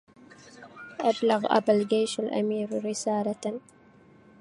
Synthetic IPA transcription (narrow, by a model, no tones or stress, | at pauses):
ʔablaɣʔa̰bald͡ʒajʃalʔa̰miːɾɾɪsaːla